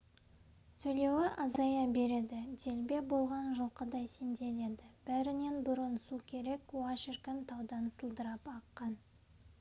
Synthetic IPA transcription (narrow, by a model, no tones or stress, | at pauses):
sɵjle̞wɪʔɑzɑjɑbe̞ɾe̞d̪ɪd̪e̞lbe̞bo̞lˠʁɑnʒo̞qːəd̪ɑjsend̪e̞le̞d̪ɪb̥æɾɪne̞nbʊɾənsukʲʰe̞ɾe̞kwɑʃɪrkənt̪ʰɑwd̪ɑnsəlˠd̪əɾɑpɑqːɑn